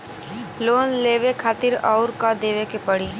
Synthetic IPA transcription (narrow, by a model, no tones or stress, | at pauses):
loːnleːʋekʰaːt̪ɪɾa̰ːʊɾkad̪eːʋekepəɽ̤iː